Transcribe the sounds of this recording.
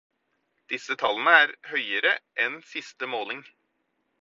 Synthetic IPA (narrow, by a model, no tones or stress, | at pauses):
d̪̥ɪsət̪ʰɑlənəæːɾhœʏəɾəʔɛnsɪst̪əmoːlɪŋ